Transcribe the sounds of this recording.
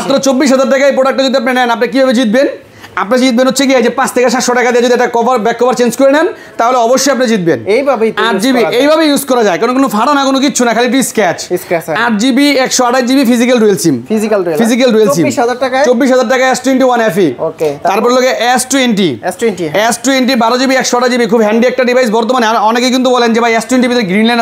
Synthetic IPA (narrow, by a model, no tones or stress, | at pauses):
apnɾat͡ɕobːiʃ̬ɦad͡ʑaɾʈakajpɾoɽak̚ʈed͡ʑod̪iap̬nenɛnapnak̬ibʱabed͡ʑit̪̚ben | apnad͡ʑit̪̚benɦotːʰeɡiad͡ʑepãt͡ɕt̪ʰɛkeʃ̬at̪ʃoʈakad̪iad͡ʑod̪iɛʈakɔbaɾbɛkːɔbaɾt͡ɕenskoɾenɛn | t̪aɦoleɔboʃːojap̚naed͡ʑit̪̚benejbʱabeaɾd͡ʑibiejbʱabejuzkɔɾad͡ʑaekaɾonkonofʰaɽanakonok̬iɕʰunakʰaliʈ̬iskɛt͡ɕikɛaɾ̚d͡ʑibiɛkʃoaʈad͡ʑibifizikalɾuelsimfizikalɾfizik̬alɾuelsibiʃɦad͡ʑaɾʈakat͡ʃobːiʃ̬ɦad͡ʑaɾʈ̬akaɛsʈuweɳʈiwanɛfioket̪aɾpɔɾeloɡeʔɛsʈuenʈiɛsʈenʈiɛsʈueɳʈ̬ibaɾod͡ʑibiɛkʃoaʈad͡ʑibikʰubɦɛɳɖiɛk̚ʈaɖibʱajs̬bɔɾt̪omanaɾɔnekek̬int̪ubɔlend͡ʑebajɛsʈueɳʈibid̪eɾɡɾinlɛ